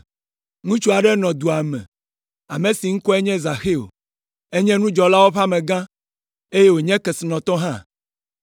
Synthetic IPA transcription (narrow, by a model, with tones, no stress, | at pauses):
ŋũ˦t͡ʃu˦a˨ɖɛ˦nɔ̃˨d̪u˨a˨mɛ̰̃˨ | a˨mẽ˨si˨ŋ̩˦kɔ˦e˦ɲɛ̃˦za˨xe˦˨o̰˨ | e˦ɲɛ̃˦nũ˦d͡ʒɔ˨la˦wo˦ɸa˦mɛ̃˨ɡã˦ | e˦je˦wo˨ɲɛ̃˦kɛ˨si˨nɔ̃˨t̪ɔ˦ɦã˦˨